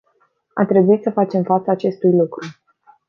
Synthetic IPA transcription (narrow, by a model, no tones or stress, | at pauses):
a̰t̪ɾe̞buit̪səfat͡ʃe̞mfat̪səːt͡ʃe̞st̪ujlukɾu